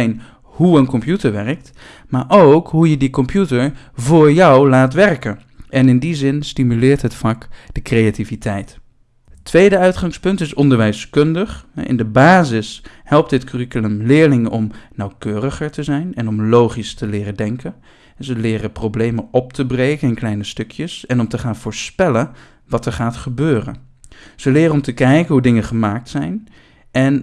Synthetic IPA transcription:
n | huənkɔmpjutəɹʋɛrək̚t | maːɹʔowkɦujədikɔmpjutəɹ | vʊːɹjɑwlaːtʋɛrkən | ʔɛnɪndizɪnstimylɪːɹtɦətfɑkd̥əkrejativitʰɛjt | ətʰːʋejdəœɥtχɑŋspɵntɪsɔndəɹʋɛjskɵndəχɦɛ̰ʔɪ̰ndəbaːzɪs | hɛlˠp̚tdɪtkyrikyləmlɪːɹlɪŋəʔɔmnɑwkøːrəχəɹtəzɛjnɛnɔmlowχistəlɪːrədɛŋkən | zəlɪːrəprowblejməɔp̚tʰəbrejkənɪnklɛjnəstɵkʰjəsɛnɔmtəχaːnv̥ʊːɹspɛlən | ʋɑtɛɹχaːtχəbøːrə̰n | z̥əlɪːrəɔmtəkɛjkənɦudɪŋəχəmaːk̚tsɛjn | ɛn

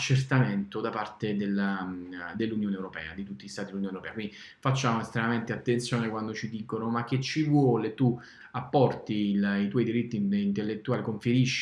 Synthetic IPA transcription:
at͡ʃːert̪ament̪od̪apart̪ed̪elːad̪elːunjoːnewɾopɛ̰ːa̰d̪it̪ut̪ːiʎist̪aːt̪id̪lunjonewɾopɛːkwind̪i | fat͡ʃːaːmoest̪ɾemament̪eat̪ːent̪sjoːnekwand̪ot͡ʃid̪ikonomak̟ːet͡ʃːivwɔːlet̪ːu | apːɔrt̪ilit̪wɔjd̪iɾit̪ːiint̪elːet̪ːuaːlikoɱfeɾiʃːi

